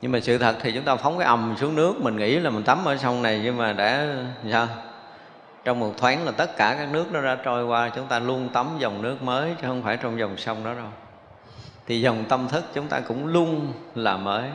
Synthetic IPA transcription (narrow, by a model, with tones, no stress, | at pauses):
ɲɨ˧ŋmaː˨˩sɨ̰˧˨t̪ʰə˨˩t̚t̪ʰi˨˩t͡ɕʊ˨˦ŋ͡mt̪aː˧fa˨˦wŋ͡mkaː˧˦jʔə˨˩msu˨˦əŋnɨ˦˥ək̚mï˨˩ŋ̟ŋḭ˧˥laː˨˩mï˨˩ŋ̟t̪a˨˦mʔəː˧˩sa˧wŋ͡mna˨˩jɲɨ˧maː˨˩ɗa̰ː˧˥saː˧w | t͡ɕɔ˧wŋ͡mmu˨˩t̚t̪ʰwaː˨˦nlaː˨˩t̪ə˦˥t̚kaː˧˩kaː˦˥k̚nɨ˦˥ək̚nɔ˨˦ɗa̰ː˧˥t͡ɕɔ˧jkwaː˧˨˩t͡ɕʊ˨˦ŋ͡mt̪aː˧lu˧ənt̪ə˨˦mzə˨˩wŋ͡mnɨ˦˥ək̚məː˨˦jt͡ɕɨ˦hə˧wŋ͡mfaː˧˩jt͡ɕɔ˧wŋ͡mzə˨˩wŋ͡msa˧wŋ͡mɗɔ˨˦ɗo˧˩j | t̪ʰi˨˩zə˨˩wŋ͡mt̪ə˧mt̪ʰɨ˦˥k̚t͡ɕʊ˨˦ŋ͡mt̪a̰ː˧kʊ̰˧˥ŋ͡mlu˧ənlaː˨˩məː˨˦j